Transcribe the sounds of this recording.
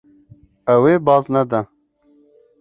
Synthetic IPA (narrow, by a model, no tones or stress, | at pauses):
aweːbɑːznad̪a